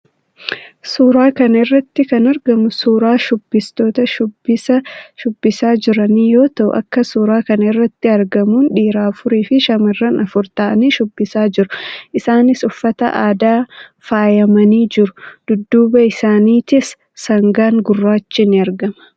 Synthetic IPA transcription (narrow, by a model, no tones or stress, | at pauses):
suːɾaːkɐnɐɪrːɐt̪ːɪkɐnɐɾɡɐmʊsuːɾaːʃʊbːɪst̪o̞ːt̪ɐʃʊbɪsɐʃʊbːɪsaːd͡ʒɪɾɐniːjo̞ːt̪ɐʔʊ̰ʔɐ̰kːɐsuːɾaːkɐnɐɪrːɐt̪ːɪɐɾɡɐmuːnᶑiːɾaːfʊɾeːfɪʃɐmɪrːɐnɐfʊɾt̪aːʔɐniːʃʊbːɪsaːd͡ʒɪɾʊʔɪsaːnɪsʊfːɐt̪ɐ̰ʔaːd̪aːfaːjɐmɐniːd͡ʒɪɾʊd̪̥ʊd̪ːuːbɐɪsaːniːt̪ɪs | sɐŋɡaːŋɡʊrːaːt͡ʃːɪnːɪɐɾɡɐmɐ̥